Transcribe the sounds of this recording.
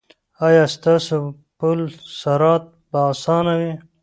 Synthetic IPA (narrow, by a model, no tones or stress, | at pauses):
ɑːjɑːst̪ɑːso | pulsaɾɑːt̪̚basɑːnawi